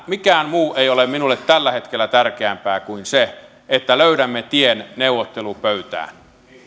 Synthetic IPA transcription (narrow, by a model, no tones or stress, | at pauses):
mikæːmmuːʔeiolemminulːet̪t̪ːælːæhet̪kelːæt̪ærkeæmpæːkuinse | et̪ːæløyɾæmːet̪ienneuwot̪ːelupøyt̪æ̰ːn